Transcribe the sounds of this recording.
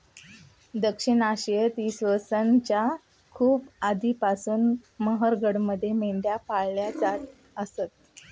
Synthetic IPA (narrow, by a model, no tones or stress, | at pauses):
d̪əkʂinaɕjət̪iːsʋəsənt͡ɕja | kʰuːbad̪ʱipasuːnməɦəɾɡʱəɽməd̪ʱːjemeɳɖ̪japaɭljat͡sat̪ | əsət̪̚